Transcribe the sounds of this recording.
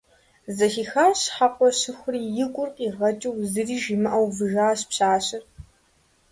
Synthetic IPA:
zɐxiːxaːɕħaqʷʼɔɕɨxʷʊriːjɪkʷʼʊrqʼiːʁɐt͡ʃʼɐwzɨriːʒimɨʔɐwvɨʒaːɕpɕaːɕɪr

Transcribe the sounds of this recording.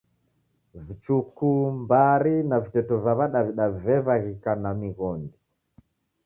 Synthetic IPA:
vit͡ʃukumbaɾinavitɛtɔvaβaɗaviɗavɛβaɣikanamiɣɔndi

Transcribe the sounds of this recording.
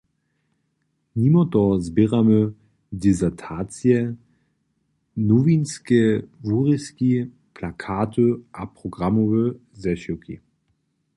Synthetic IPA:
nimɔt̪ɔzbiʁamə | dizɛtʰaːt͡sijɛ | nɔvinskɛvuʁiski | pʰlakʰaːtʰəʔapʁ̥ɔɡʁamɔvəzɛʃiwkḭ

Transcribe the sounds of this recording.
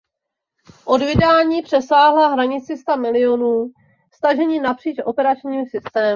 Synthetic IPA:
ʔo̞dvɪdaːɲiːpr̝̥ɛsaːɦlaɦɾaɲɪt͡sɪst̪amɪlɪo̞nuː | st̪aʒɛɲiːnapr̥iːt͡ʃʔopɛɾat͡ʃɲiːmsɪst̪ɛː

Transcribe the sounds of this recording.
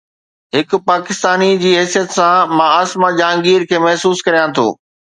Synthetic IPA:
ɦɪkʊ̆paːkɪst̪aːnid͡ʑiːɦɛːsijət̪sãmãːaːsmad͡ʑãːŋɡiːɾkʰeːmɐɦsuːskɐɾijãt̪ʰo̰ː

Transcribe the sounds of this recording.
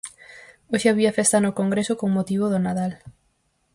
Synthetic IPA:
oʃeaβiafest̪anokoŋɡɾesʊkoŋmot̪iβ̞oðonaðal

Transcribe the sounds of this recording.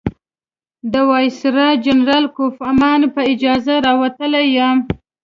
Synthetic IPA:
d̪əwɑjsɾɑd͡ʒanɾɑlkofamɑnpəɪd͡ʒɑzaɾɑwat̪əlajam

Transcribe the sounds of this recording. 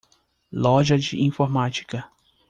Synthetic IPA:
lɔʒɐd͡ʒɪʔĩfoɾmat͡ʃi̥kɐ

